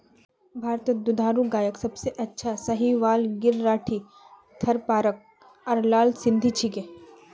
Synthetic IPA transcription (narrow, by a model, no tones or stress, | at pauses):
bʱaːɾt̪d̪ʊd̪ʱaːɾuɡaːjəksɐbseʔɐtːʃʰasɐɦiʋaːlɡɪɾːaːʈʰi | t̪ʰɐɾpaːɾək̚ | ɐɾlaːlsɪ̃nd̪ʱit͡ʃʰike